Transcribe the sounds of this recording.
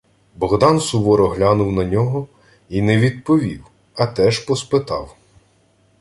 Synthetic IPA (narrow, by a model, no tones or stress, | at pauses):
bɔɣd̪ɑnsʊʋɔɾɔɦlʲanʊwnɐnʲɔɦɔ | inɛʋʲid̪̚pɔʋʲiw | ɐt̪ɛʒpɔspɪt̪ɑ̰w